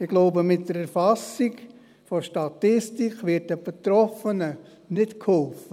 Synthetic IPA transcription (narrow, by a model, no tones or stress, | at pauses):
ɪɡ̥loʊbəmɪt̚dəɾɛɾfɑsik | foʃtɑtɪstikʋɪt̚əb̥et̪ɾɔfənə | nɪtkʰhɔlfə